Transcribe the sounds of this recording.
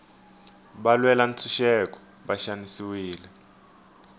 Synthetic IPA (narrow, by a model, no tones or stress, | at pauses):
ɓalwɛlan̩t͡sʰuʃɛk̬ʼɔ̥ | ɓaʃanisiwiːlɛ